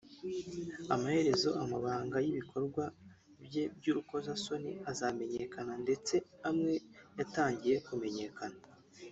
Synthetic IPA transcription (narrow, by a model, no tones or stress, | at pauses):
amahe̞ɾe̞zo̞ʔamaβaːŋɡajiβikʰo̞ɾɡwa | bje̞bɟuɾuko̞zaso̞nḭazame̞ɲe̞kanande̞t͡seamŋe̞jataːɲɟije̞kume̞ɲe̞kana